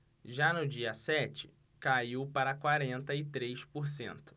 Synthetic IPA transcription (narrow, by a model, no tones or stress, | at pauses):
ʒanʊd͡ʒiɐsɛt͡ʃɪ̥ | kaiwpaɾɐkwaɾẽnt̪ɐɪt̪ɾejspoɾsḛ̃nt̪ʊ̥